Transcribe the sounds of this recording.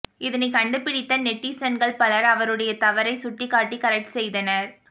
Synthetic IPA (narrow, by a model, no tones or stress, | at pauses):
ɪðɐnɐɪkɐɳɖɯpːɪɽɪt̪ːɐnɛʈːisɐnɡɐɭpɐɭɐɾɐʋɐɾɯɽɐjɐt̪ɐʋɐɾɐɪsʊʈːɪkːaːʈːikɐɾɛk̚ʈsɛjðɐnɐɾ